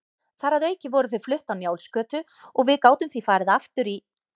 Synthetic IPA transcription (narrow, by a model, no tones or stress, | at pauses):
θaɾaðœɥcɪvɔːɾʏθʏðflʏht̪awnjaːwlskœːt̪ʏ | ɔɣvɪðkaːwt̪ʏmθvifaːɾɪðaft̪ʏɾi